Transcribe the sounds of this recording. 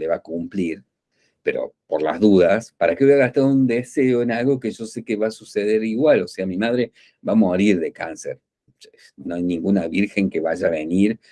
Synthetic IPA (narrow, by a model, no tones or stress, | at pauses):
leβakumpliɾ | pḛɾo̞̰poɾla̰zðuðaspaɾakeβaɣast̪aðound̪eseoenalɣo̞keʒo̞se̞keβasuseðe̞ɾiɣwalo̞seamimaðɾe̞ | βaːmo̞ɾiɾðekanseɾ | noajnĩŋɡunaβiɾxe̞ŋkeβaʒaβe̞niɾ